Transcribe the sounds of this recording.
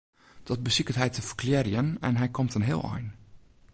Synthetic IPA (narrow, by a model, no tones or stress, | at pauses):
d̥ɔt̚bəsikətɦɛjtəfərkljɛrjənɛ̰nɦɛjkʰomtənɦɪ̰əlˠɔ̰jn